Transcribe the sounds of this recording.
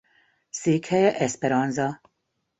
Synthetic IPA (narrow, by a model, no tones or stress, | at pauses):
siːkhɛjɛʔɛspeɾɒnzɒ